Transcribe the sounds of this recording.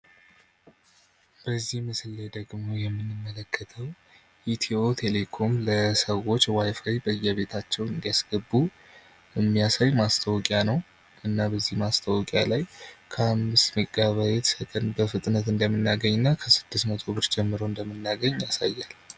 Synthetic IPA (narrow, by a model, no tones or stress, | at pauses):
b̥əzːihmɨsɨlːed̪əɡmo̞jɛmːɨnɨmːələkʰːət̪ʰəw | ʔit̪ʰio̞t̪ʰe̞le̞kʰo̞mləsəwo̞t͡ʃːwajfajbəɨjːɛβe̞t̪ʰat͡ʃːɛwɨnd̪ijasɡ̥əbːu | ɛmːijasajmast̪ʰəwɔkʼjanəw | ʔɨnːabəzːihmast̪ʰəwɔkʼja̰lajkʰəamːɨsməɡʼaβajet̪sət̪ʼənbəfɨt̪ʼnət̪ɨnd̪əmːɨnːaɡəɲːɨnːakʰəsɨd̪ːɨst̪mət̪ʰobɨɾd͡ʒɛmːɨɾo̞ɨnd̪əmɨnːaɡəɲːjasajːal